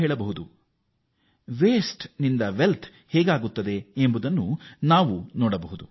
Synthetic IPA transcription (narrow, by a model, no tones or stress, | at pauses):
eːɭɐbɐɦud̪u | ʋeːsʈnind̪ɐʋelt̪ʰ | hɛːɡaːɡut̪ːɐd̪e̞embud̪ɐnːunaːʋunɔːɽɐbɐɦud̪u